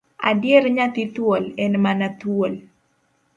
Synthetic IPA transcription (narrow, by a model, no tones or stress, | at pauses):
a̰djeɾɲat̪it̪wolɛnmanat̪wol